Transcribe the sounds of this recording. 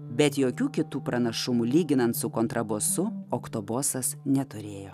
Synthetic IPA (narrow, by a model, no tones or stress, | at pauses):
bʲɛt̪joːkʲuːkʲɪt̪uːpɾɐnɐʃʊmʊlʲiːɡʲɪnɐnt̪sʊkoːnt̪ɾɐboːsʊokt̪oboːsɐsnʲɛt̪ʊɾʲeːjoː